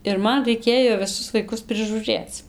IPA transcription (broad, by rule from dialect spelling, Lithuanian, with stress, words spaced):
ɪr ˈmɐn rɐɪˈkʲeːjoː ʋʲɪˈsʊs ʋɐɪˈkʊs pʲrʲɪʒuːˈrʲeːt͡s